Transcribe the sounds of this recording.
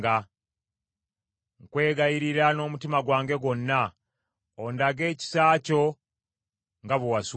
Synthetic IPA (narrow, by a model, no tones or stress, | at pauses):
ɡa | ŋkwe̞ːɡajiɾiɾano̞ːmutimaɡwaːŋɡe̞ɡo̞nːa | ondaɡe̞ːci̥saːco̞ | ŋɡaβuwas